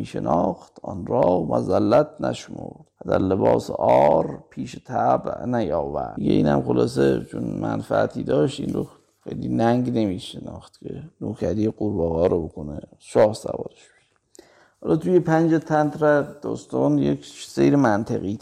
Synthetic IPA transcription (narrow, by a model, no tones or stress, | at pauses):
iːʃenɒxt̪ʰɒnɾɒːhmæzælːæt̪̚ʰnæ̰ʃmo̰ɾd̪̥æd̪æɾlebɒːseʔɒːɾpʰiːʃet̪ʰæbnæjɒːvæɾiɡe̞ʔiːnhæmxolɒːs̬e̞t͡ʃʰonmænfææt̪ʰiːd̪ɒːʃt̪iːnɾo | xejlinæŋɡne̞miːʃenɒːxt̪̚kʲʰenoːkʰæɾiːjeɡuɾbɒːɣɒːɾobokoneʃɒːhsæ̰vɒ̰ːɾeʃb̥e̥ʃe̥ | hɒːlɒːt̪ujepʰænd͡ʒet̪ʰænt̪ɾæd̪ɒːst̪ɒːnjekʃse̞jɾemænt̪ʰeɣiː